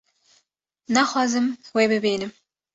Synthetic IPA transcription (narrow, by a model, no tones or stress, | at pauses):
næxɑːzɨmwebɨbeːnɨm